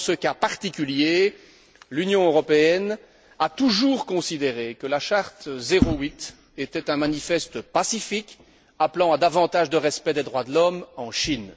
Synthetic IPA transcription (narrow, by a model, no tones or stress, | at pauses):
səkapaʁt̪ikʲylje | lynjɔ̃øʁɔpeɛn | at̪uʒuʁkɔ̃sid̪eʁekəlaʃaʁt̪zeʁowit̪ | et̪ɛt̪ɛ̃manifɛst̪pasifik | aplɑ̃ad̪avɑ̃t̪aʒd̪əʁɛspɛd̪ed̪ʁwad̪əlɔmɑ̃ʃin